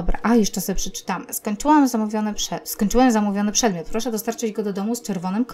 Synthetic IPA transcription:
bɾa̰ʔajɛʂt͡ʂɛsɔɛpʂɛt͡ʂɘ̥t̪amɘskɔɲt͡ʂɘwɛmzamuvʲjɔnɘpʂɛskɔɲt͡ʂɘwɛmzamuvʲjɔnɘpʂɛd̪mjɔt̪̚pɾɔʂɛd̪ɔst̪aɾt͡ʂɘd͡ʑɡɔd̪ɔd̪ɔmust͡ʂɛɾvɔnɘmk

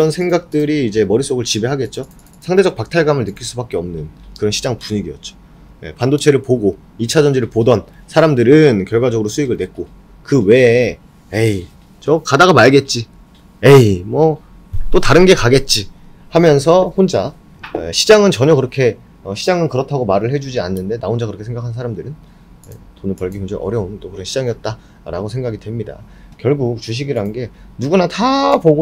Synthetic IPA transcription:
iɾʌnsʰe̞ŋɡak̚t͈ɯɾiːd͡ʑe̞mʌɾis͈oɡɯɭt͡ɕibe̞ɦaɡe̞t̚t͡ɕ͈o | sʰaŋde̞d͡ʑʌk̚pak̚tʰaɭɡamɯɭnɯk͈iɭs͈ubak͈e̞ʌmnɯnkɯɾʌnɕʰid͡ʑaŋpuɲiɡiʌ̰t̚t͡ɕ͈o̥ | je̞̰pandot͡ɕʰe̞ɾɯɭpoɡo | it͡ɕʰad͡ʑʌnd͡ʑiɾɯɭpodʌn | sʰaɾamdɯɾɯnkjʌɭɡwad͡ʑʌɡɯɾosʰuiɡɯɭnwe̞t̚k͈o | kɯwe̞ | ei | t͡ɕʌkadaɣamaɭɡe̞t̚t͡ɕ͈i | eimwʌ | t͈otaɾɯnɡe̞kaɡe̞t̚t͡ɕ͈i | hamjʌns̬ʰʌɸond͡ʑa | ḛɕʰid͡ʑaŋɯnt͡ɕʌɲʌkɯɾʌkʰe̞ | ʌɕʰid͡ʑaŋɯnkɯɾʌtʰaɡomaɾɯɭhe̞d͡ʑud͡ʑia̰nːɯnde̞naond͡ʑakɯɾʌkʰesʰeɡakʰans̬ʰaɾamdɯɾɯn | ḛtonɯpʌɭɡimʌd͡ʑeʔʌ̰ɾjʌont͈okɯɾʌɕʰi̥d͡ʑaŋijʌt̚t͈a | ɾa̰ɡosʰe̞ŋɡaɡidwe̞mɲida̰ | kjʌɭɡuk̚t͡ɕuɕ̬ʰiɡiɾanɡe̞nuɡunatʰapoɡo

